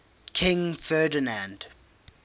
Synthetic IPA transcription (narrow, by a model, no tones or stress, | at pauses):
kʰɪ̃ŋfɛːdənãnd